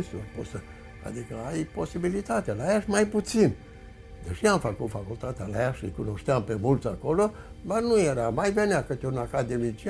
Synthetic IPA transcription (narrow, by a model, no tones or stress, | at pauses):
suposə | a̰d̪ikəajpo̞sibilit̪at̪ealajaʃmajput̪sin | d̪eʃeamfəkut̪fakult̪at̪ealajaʃɨ̰jkuno̞ʃt̪eampemult̪sako̞lo | b̪arnujeɾamajveneakɨt̪unakad̪emit͡ʃi